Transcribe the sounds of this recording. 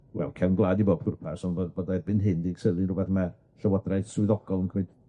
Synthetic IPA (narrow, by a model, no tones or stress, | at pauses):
wɛ̰lˠkʰɛwnɡlˠadiboːpʰʊrpʰasɔnbɔdbɔdabɪnɦɪndiɡsəlˠɪnrʊbɛθma | ɬəwɔdrajθsʊɨðɔɡ̥ɔlˠənkʰmɨd̥